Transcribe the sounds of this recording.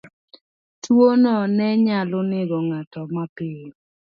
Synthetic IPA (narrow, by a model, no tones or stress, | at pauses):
twonɔnɛɲalʊnɪɡɔŋatɔmapɪ